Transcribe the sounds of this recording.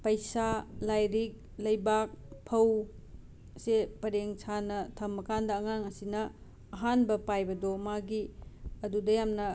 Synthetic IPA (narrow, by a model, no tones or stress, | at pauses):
pɐjsalajɾik̚ | lɐjbak̚pʰɐw | sepɐɾeŋsʰanɐtʰɐmɐkandɐːŋaŋɐsinɐː | ɦanbɐpajbɐdomaɡiɐdudɐjamnɐ